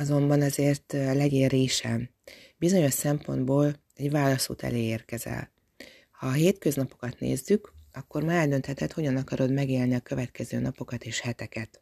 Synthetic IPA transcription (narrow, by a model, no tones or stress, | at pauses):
ɒzo̞mbɒnɒzeːrt̪lɛɡeːriːʃɛ̰m | bizo̞ɲo̞ʃsɛmpo̞̰nd̪boːl | ɛɟvaːlɒsṵːt̪ʰɛ̰leːeːrkɛzɛ̰l | hɒɦeːt̪køznɒpo̞kɒt̪nḛːzːykɒkːo̞rmaɛld̪ø̞nt̪hɛt̪ɛt̪ho̞ɟɒnɒkɒɾo̞d̪mɛɡeːlniɒkø̞vɛt̪kɛzø̰ːnɒpo̞kɒt̪eːʃhɛt̪ɛkɛt̪